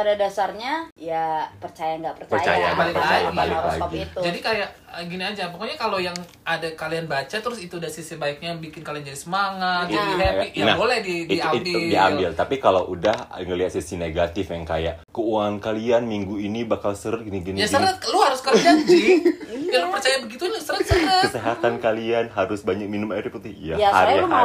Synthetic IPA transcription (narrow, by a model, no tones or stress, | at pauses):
padadasarɲajapərt͡ʃajaŋɡaʔpərt͡ʃərjajaɡbalɪpəlaajaaɡiba̰lɪklaɡaɡiiud͡ʒadikajaʔ | əɡiniad͡ʒapɔkoɲakalojaŋ | adakalianbat͡ʃat̪əɾʊsit̪uːdahsisibaɪk̚ɲajbikɪnkaliand͡ʒadisəmaŋat̪ɦjanabolɛhdidiabidiambɪlt̪apikalaʔudahŋəliat̪̚sisineɡat̪ɪfjaŋkajaʔkəuaŋankalianmiŋɡuinibakalsəɾət̪̚ɡiniɡinjasəɾət̪̚luhaɾʊskəld͡ʒad͡ʒijaɾumat͡ʃajabəɡit̪unsənət̪sənəkəseɦat̪ankalianɦaɾʊsbaɲak̚minʊmaiɾiput̪ɪhijaaɾa